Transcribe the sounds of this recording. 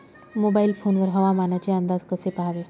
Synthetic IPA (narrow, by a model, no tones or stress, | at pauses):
mobailfʰonʋəɾɦəʋamanjat͡ɕeənd̪ad͡zkəsepaɦʋe